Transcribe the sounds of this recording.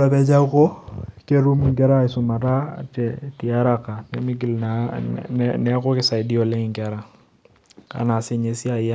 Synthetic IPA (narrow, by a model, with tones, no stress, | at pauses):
a˨bɛ˦d͡ʒa˦ko˦ke˦ɾu˦mu˨ŋ̩˨kɛ˦ɾa˦ɪ˨sʊ˨ma˨ta̰˦t͡ʃɛ˨ti˨a˦ɾa˦ka˨nɛ˨mɪ˦ɡ̬i˨lna˨ | nɛ˦kʊ˦kɪ˦sa˨ɪ˨di˦ɔ˨le˦ŋɪ˨ŋ˨ka˨˦ɾa˨ | ka̰˨na˨sɪ˦ɲe˦si˦a˨i˦a˦